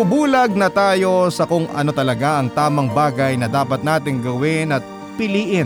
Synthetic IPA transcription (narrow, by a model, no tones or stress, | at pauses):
ʊbuːlɐɡ̚nɐt̪aːjo̞sɐkʊŋʔɐ̰no̞t̪ɐlɐɡaʔɐŋt̪aːmɐŋbaːɡɐjnɐd̪aːpɐt̪̚naːt̪ɪŋɡɐwɪnɐt̪̚ | pɪliːʔɪn